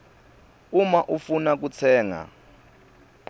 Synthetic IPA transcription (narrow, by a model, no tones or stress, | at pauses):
umaʔufunak̬ut͡sʰɛːŋa̰